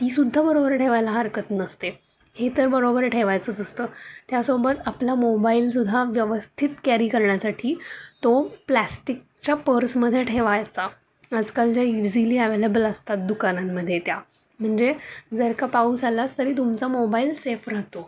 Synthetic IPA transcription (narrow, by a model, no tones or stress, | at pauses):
t̪iːsud̪ʱːabəɾobəɾʈʰeʋajlaɦəɾkət̪nəst̪e | het̪əɾbəɾobəɾʈʰeʋajt͡sət͡səst̪əːt̪jasobət̪aplamobails̬ud̪ʱːaʋjəʋəst̪ʰit̪kæɾiːkəɾɳjasaʈʰiːt̪oplæsʈik̚t͡ɕapəɾsməd̪ʱːjeʈʰeʋajt͡saː | d͡zkald͡ʑajud͡ziliːəʋelebələst̪at̪̚d̪ukanamːəd̪ʱːjet̪ja | m̤əɳd͡zed͡zəɾkapauːsalast̪əɾiːt̪umt͡samobailsefɾat̪o